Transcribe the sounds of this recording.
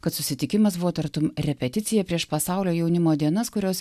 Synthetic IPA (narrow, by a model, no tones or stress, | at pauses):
kɐt̪sʊsʲɪt̪ʲɪkʲɪmɐsbʊʋoːt̪ɐɾt̪ʊmɾʲɛpʲɛt̪ʲɪt̪sʲɪjɛpʲɾʲiɛʃpɐsɑʊlʲoːjɛʊnʲɪmoːd̪ʲiɛnɐskʊɾʲoːs